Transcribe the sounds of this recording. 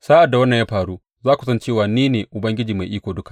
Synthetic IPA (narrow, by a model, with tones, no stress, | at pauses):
saː˦ʔa˨dːa˨wɐ˦nːɐ˨ɲjaː˦ɸaː˨ɾuː˦ | zaː˦kʷu˨sɐ˦nt͡ʃeː˦˨waː˨niː˦neː˨ʔʊ˨bɐ˦ŋɡʲɪ˦d͡ʒiː˨ma˨jʔiː˦kʷoː˨dʊ˦kḁ˨ʔ